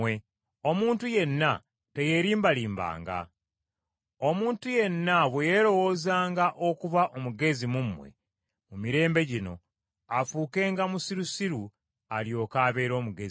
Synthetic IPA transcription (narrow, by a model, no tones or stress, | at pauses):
e | omuːntuje̞nːa | te̞je̞ɾiːmbaliːmba̰ːŋɡa̰ | omuːntuje̞nːaβwe̞jeɾo̞wo̞ːzaːŋɡaʔo̞kuβaʔomuɡe̞zimumwe̞̰ | mumiɾe̞ːmbe̞ɟino̞̰ | afuːke̞ːŋɡamusiɾusiɾu | aljo̞ːkaːβe̞ːɾo̞ːmuɡez